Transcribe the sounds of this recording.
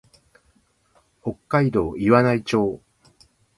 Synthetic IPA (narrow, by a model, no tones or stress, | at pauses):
ho̞kːaid̪o̞ːiβanait͡ɕo̞ː